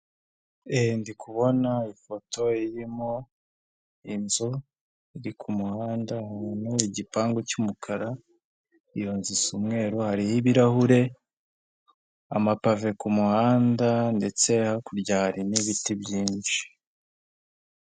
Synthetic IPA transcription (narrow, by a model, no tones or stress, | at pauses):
endikʰuβo̞naifo̞to̞iɾimo̞ | inzo | iɾikʰumuhaːndahanuiɟipaːŋɡocumukʰaɾa | ijoːnzisumŋe̞ːɾohaɾihiβiɾahuɾe̞ | a̰mapave̞kumuhaːndande̞t͡se̞hakuɾɟaːɾimiβitibɟiːnʃi̥